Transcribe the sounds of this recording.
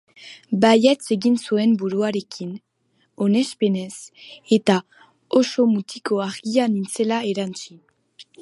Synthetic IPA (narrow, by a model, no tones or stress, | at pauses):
bajet͡se̞ɣinsue̞mbuɾuaɾe̞kin | o̞ne̞spe̞ne̞se̞t̪a | oso̞mut̪ikoaɾɡianint͡se̞laeɾant͡si